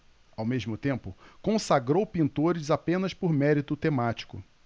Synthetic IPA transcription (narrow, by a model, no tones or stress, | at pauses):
awmeʒmʊt̪ẽmpʊkõsaɡɾowpĩnt̪oɾɪzapẽnɐspʊɾmɛɾit̪ʊt̪emat͡ʃi̥kʊ̰